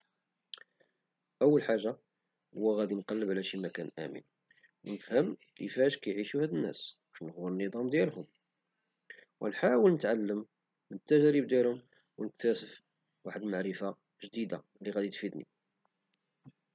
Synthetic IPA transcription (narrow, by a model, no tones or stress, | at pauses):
ʔəwːəlħaʒːa | hʊwːæɣæd̪inqɑlːəbʕlæʃimækænʔæ̰mə̰n | wnəfhəm | lḭfæʃkæjʕiʃuhæd̪ənːæ̰sbæʃnəɣwəɾənːəd̪ˤɑmd̪jælhʊm | wʔæ̰nħawəlnət̪ʕalːəmː | ənət̪ːæʒɾib̚d̪jælhʊm | wnək̚t̪æsəf | waħəd̪maʕɾəfa | ʒd̪id̪a | liɣæd̪it̪fid̪nḭ